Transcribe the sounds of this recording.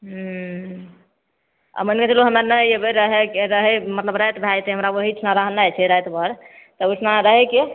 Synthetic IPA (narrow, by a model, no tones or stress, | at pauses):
ɦ | a̰mənket̪eloɦəmɾanəebeɾəɦekeɾəɦɛmət̪ləbɾəjt̪bʱajt̪eɦəmɾawəɦit͡ʃʰnaɾaɦnajt͡ʃʰɛɾəjt̪bəɾt̪əut͡ʃʰnaɾəɦeke